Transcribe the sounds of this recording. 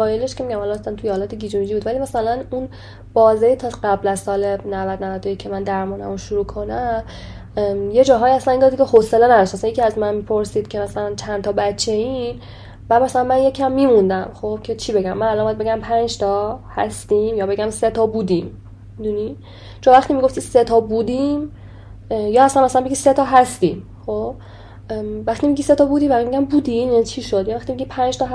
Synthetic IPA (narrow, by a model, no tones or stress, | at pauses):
ævɒːjeleʃkemiɟæmhɒlɒæsænt̪ʰujehɒːlɒːt̪ʰeɡid͡ʒomid͡ʒibud̪vælimæsælænun | b̥ɒːzejit̪ʰɒɢæblæzsɒːlenævæd̪nævæd̪ʰojekcʰemænd̪æɾmuːnæ̰moʃuɾuːkʰo̞næm | jed͡ʒɒːɦɒːiæslænind̪ɒd̪kʰehoselenæd̪ɒʃt̪mæsænjekʰiæzmænmipʰoɾsiːd̪̥cʰe̞mæsælænt͡ʃʰænt̪ʰɒːbæt͡ʃʰːe̞in | bæd̪mæsælænmænje̞cʰːæmːiːmund̪æmxob̥̚cʰe̞t͡ʃʰibe̞ɡæmːænælɒɔnbɔjæd̪be̞ɡæmpʰænd͡ʒt̪ʰɒhæ̰st̪imjɒːbe̞ɡæmset̪ʰɒːbuːd̪iːm | mid̪uni | t͡ʃʰonvæxt̪imiɡo̞ft̪i̥set̪ʰɒːbud̪im | jɒːhæsænmaæsælænbeɟiːset̪ʰɒɦæst̪ḭːm | xob̥̚ | væxt̪imiɡiːset̪ʰɒbuːd̪iːvæimiɟʲæmbuːd̪imjænit͡ʃʰiʃod̪jɒvæχt̪imiɡɟipʰænd͡ʒt̪ʰɒːɦ